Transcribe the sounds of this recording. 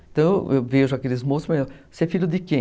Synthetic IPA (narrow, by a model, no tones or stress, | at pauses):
ẽt̪ɐ̃w̃eḛwveʒʊakelɪzmosʊsmɐsɛfiʎʊd̪ɪkẽ